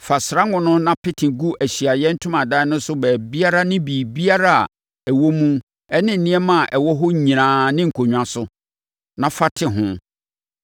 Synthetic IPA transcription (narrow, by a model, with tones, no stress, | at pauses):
fa˨sɾa˦ŋʊ̃˦nʊ̃˦nã˦pʰɪ˦tʰɪ̃˨ɡu˦ʔæ˨ɕi˨a˨jɛ˦n̩˦tʰʊ̃˦mã˨da˦nʊ̃˦sʊ˦bɛː˨bi˦a˦ɾa˦nɪ̃˦biː˨bi˦a˦ɾa̰˦˨ | ɛ˨wo˦mũ˦ | ɛ˦nɪ̃˦n̩˨nɪ̃˦ɛ˦mã˦˨ʔɛ˨wɔ˦ɦɔ˦˨ɲĩ˨nãː˨nɪ̃˦ŋ̩˨kʰo˨ɲᶣ˨ã˨sʊ˨ | nã˨fa˦tʰɪ˦ɦʊ̃˦